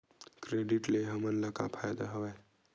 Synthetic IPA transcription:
kɾeɖiʈleɦəmənləka̰pʰajd̪aɦəwɛ

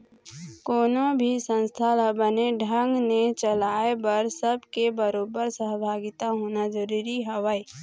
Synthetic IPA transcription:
koːnõbʱisə̃nst̪ʰalbəneɖʱəŋɡnet͡ʃəlaːebɐɾsəbʱkebəɾoːbəɾsəɦbʱaːɡɪt̪aɦoːnad͡ʒəɾuːɾiɦɐʋaːiː

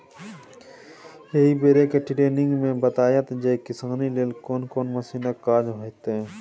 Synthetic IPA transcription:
jɐɦibeːɾekeʈɪʈeːnɪ̃ŋɡmẽbət̪aːjat̪d͡ʒekɪsãːnileːlkoːnkoːnmɐsiːnəkaːɾd͡ʒɦot̪ɦɛ

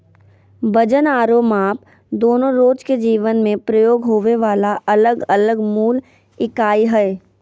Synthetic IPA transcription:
bəd͡ʒənaːɾoːmaːp̚ | d̪oːnõɾoːd͡ʒked͡ʒiːʋənmẽpɾəjoːɡɦoːʋeʋaːlaʔɐləɡɐləɡmuːl | ɪkaːiɦɛː

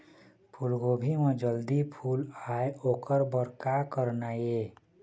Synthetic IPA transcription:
pʰulɡoːbʱimẽd͡ʒəld̪ipʰuːlaːeoːkəɾbəɾkakəɾnaje

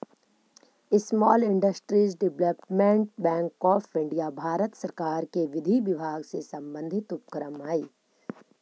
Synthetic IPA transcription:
ɪsmɔːlɪ̃ɳɖəsʈɾiːzɖɪʋləpmẽɳʈ̚bɛ̃ːŋkɔːfɪ̃ɳɖijabʱaːɾət̪səɾkaːɾkeʋɪd̪ʱiʋɪbʱaːɡsesɐ̃mbə̃nd̪ʱɪt̪ʊpkəɾəmaːiː

